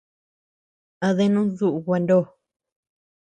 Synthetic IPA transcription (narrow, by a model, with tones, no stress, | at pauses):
a˧ðe˦nũ˦ðu˦ʔu˧ɣʷa˧ndo˦˨